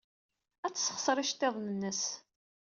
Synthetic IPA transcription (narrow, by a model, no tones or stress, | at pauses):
æt͡sːsə̥χsɾˤiʃt̪ːeðˤnənːəs